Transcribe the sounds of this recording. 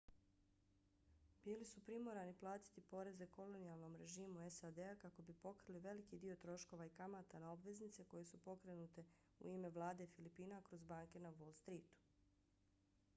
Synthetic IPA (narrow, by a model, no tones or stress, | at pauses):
biːlisupɾimo̞ɾaniplˠaːt̪i̥t̪ipo̞ɾe̞zeko̞lo̞nijalˠno̞mɾe̞ʒiːmuesad̪eakako̞bipo̞kɾiliʋe̞likid̪io̞t̪ɾo̞ʃko̞ʋaikamat̪anao̞bʋe̞znit̪seko̞jesupo̞kɾe̞nuːt̪e̞ | ṵiːme̞ʋlˠaːd̪efilipiːnakɾo̞zbaːŋke̞naʋo̞lˠst̪ɾiːt̪u̥